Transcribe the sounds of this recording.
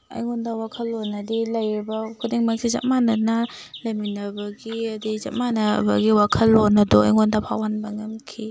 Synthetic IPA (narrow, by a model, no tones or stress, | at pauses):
ɐ̰jŋondɐwakʰɐlːonɐdilɐjɾibɐkʰudeŋmak̚sizɐ̰t̚manɐnɐlɐminɐbɐɡiɐdizɐ̰t̚manɐ̰bɐ̰ɡiwakʰɐlːonɐdɔɐ̰jŋondɐpʰawanbɐŋɐmkʰi